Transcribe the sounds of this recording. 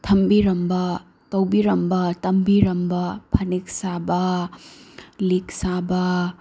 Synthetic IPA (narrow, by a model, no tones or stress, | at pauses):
tʰɐmbiɾɐmbɐ | tɐwbiɾɐmbɐtɐmbiɾɐmbɐpʰɐnik̚sabɐ | liksabɐ